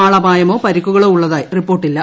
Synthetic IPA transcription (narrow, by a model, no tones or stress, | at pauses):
aːɭɐbʱaːjɐmo̞ːpɐɾikːuɣɐɭoːuɭːɐðaːjiripːo̞ːrʈːilːɐ